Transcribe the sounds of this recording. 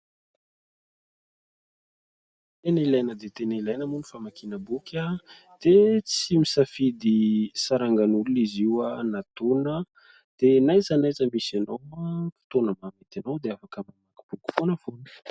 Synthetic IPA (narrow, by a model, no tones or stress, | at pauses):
t̪enilajnəd̪et̪enilajnəmuni̥famakinəbukʰʲa | d̪̥et͡simisafid̪isaɾaŋɡanuluniziwanat̪onə | d̪̥enajzanajzəmisanawfi̥t̪onəmamet̪anawd̪eafakəmamaki̥b̥uku̥fonəfoni̥